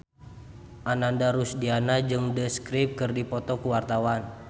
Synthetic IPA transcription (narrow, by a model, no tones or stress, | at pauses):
ʔanandaɾusdianad͡ʒɨŋdəskɾip̚kɨrdipɔt̪ɔkuwart̪awan